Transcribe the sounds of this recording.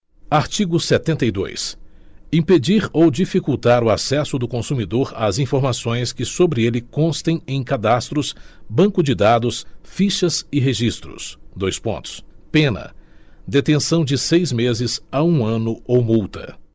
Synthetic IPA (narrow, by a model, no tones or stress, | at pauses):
aɾt͡ʃiɡʊset̪ẽnt̪ɐjd̪o̰jsĩped͡ʒiɾowd͡ʒifikuwt̪aɾʊasɛsʊd̪ʊkõsumid̪oɾazĩfoɾmasõj̃skɪsobɾɪelɪkõst̪ẽj̃ẽj̃kad̪ast̪ɾʊsbɐ̃ŋkʊd͡ʒɪd̪ad̪ʊsfiʃɐzɪɦeʒist̪ɾʊ̰sd̪ojspõ̰nt̪ʊ̥spẽnɐ̰d̪et̪ẽsɐ̃w̃d͡ʒɪsejzmezɪzaũɐ̃nʊowmuwt̪ɐ̰